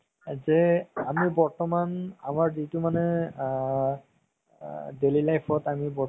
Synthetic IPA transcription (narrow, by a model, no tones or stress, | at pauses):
zɛamibɔɹtɔmanamaɹzitumanɛ | delilajpʰɔtamibɔ